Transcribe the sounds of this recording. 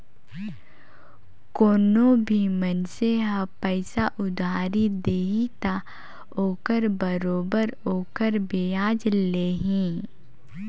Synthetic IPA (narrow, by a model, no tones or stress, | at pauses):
koːnõbʱimənseɦapɛɪsaʔʊd̪ʱaːɾid̪eːɦit̪a | oːkəɾbəɾoːbəɾoːkəɾbeːaːd͡ʒleːɦĩː